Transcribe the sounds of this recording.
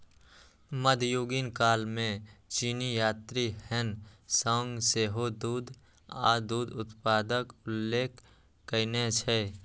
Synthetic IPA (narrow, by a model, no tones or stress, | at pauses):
məd̪ʱjoːɡinkaːlmẽt͡ʃiːnijaːt̪ɾihɛnsəŋɡseːɦod̪uːd̪ | a̰ːd̪uːd̪ʊt̪paːd̪əkʊlːeːk | kəɪnet͡ʃʰɛ